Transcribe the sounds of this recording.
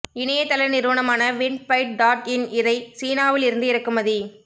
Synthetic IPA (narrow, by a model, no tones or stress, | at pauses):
ɪnɐjɐt̪ːɐlɐɾnɪɾɯʋɐɳɐmaːnɐʋɪɳɖpɐɪʈ̚ɖaːʈɪnɪðɐɪsiːnaːʋɪlɪɾɯnd̪ɯɪɾɯkːɯmɐði